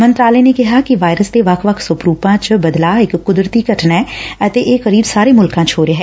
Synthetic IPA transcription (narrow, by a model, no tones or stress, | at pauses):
mə̃nt̪ɾaːleneːkɪɦaːkɪʋaːjɾəst̪eːʋəkʰʋəkʰsʊpɾuːpãːt͡ʃbəd̪laːɪkːʊd̪ɾət̪iːkəʈʰnɛːət̪eːʔeːkəɾiːbsaːɾeːmʊlkãːt͡ʃɦoːɾeɦɛː